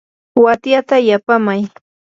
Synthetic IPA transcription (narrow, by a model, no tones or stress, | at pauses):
wat̪jat̪ajapamaj